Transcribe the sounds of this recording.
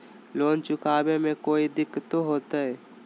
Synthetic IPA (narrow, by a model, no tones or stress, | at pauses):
loːnt͡ʃʊkaːbemẽkoːid̪ɪkːt̪oɦoːt̪aɛː